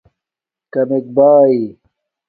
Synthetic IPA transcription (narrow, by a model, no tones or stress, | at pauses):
kɐmek̚baːi